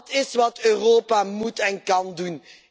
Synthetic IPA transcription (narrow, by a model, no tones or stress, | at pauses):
tɪsʋɑtøːroːpamutɛnkɑndun